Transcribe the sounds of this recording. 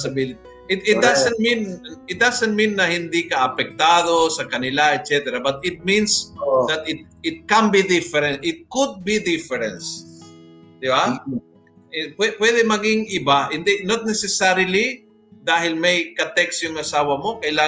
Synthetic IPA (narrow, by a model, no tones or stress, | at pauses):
sɐbilɪt̪ | ʔɪt̪ɪt̪̚d̪asɛ̃nt̪̚mĩnɪt̪̚d̪asɛnt̪̚mĩnːɐhɪ̃nd̪ikɐʔɐpɛk̚t̪aːd̪osɐkɐnɪlaɛt̪̚t͡ʃɛt̪ɛɾabɐt̪ɪt̪̚mĩnsd̪ɐt̪ɪt̪̚ɪt̪̚kãnbid̪ɪfɛɾɛ̃nt̪ɪt̪̚kʊd̪̚bid̪ɪfɛɹɛ̃ns | d̪̥ɪba | ɪpwɛpwɛd̪ɛmɐɡɪŋʔɪbaɪ̃nd̪ɛnot̪̚nɛsɛsaɾɪli | d̪aːɦɪlmɐjkɐt̪ɛksjʊŋɐsaːwɐmo̞kɐjlaː